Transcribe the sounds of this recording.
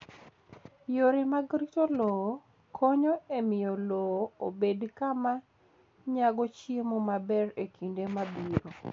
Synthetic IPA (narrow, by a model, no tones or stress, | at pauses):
joɾemaɡɾitolɔ | kʰoɲoemɪjɔlɔobedkama | ɲaɡɔt͡ʃemomabɛɾekʰindemabiɾo